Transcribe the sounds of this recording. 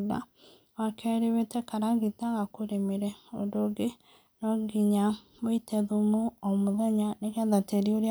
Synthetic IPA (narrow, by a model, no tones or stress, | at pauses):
ða̰ | wakʰɛɾewetɛkaɾaɣitaɣakoɾemiɾɛo̰doɡe | nɔɡiɲa | βoitɛðumuomuðeɲaneɣɛðateɾioɾj